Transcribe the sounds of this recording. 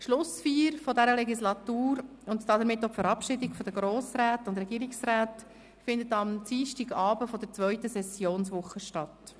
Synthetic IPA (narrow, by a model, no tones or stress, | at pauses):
ʃlʊsfiːɾfɔdɛɾəlɛɡislɑtuːɾʊntd̥ɑːdəɾmɪtːɔpfəɾɑpʃɪdɪɡfɔd̥əɡɾoːsɾaːtʊnd̪ɾɛɡiːɾiksɾaːt | fɪnd̪ətɑmt͡siːʃtiɡɑːbəfɔd̥əɾt͡svœʏtəsɛsjoːnsʋʊχəʃtɑt